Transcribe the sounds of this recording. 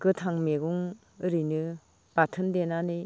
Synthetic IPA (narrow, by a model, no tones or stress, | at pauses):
ɡɯtʰaŋmeɡuŋ | ɯɾinɯ | b̥atʰɯndenanɯ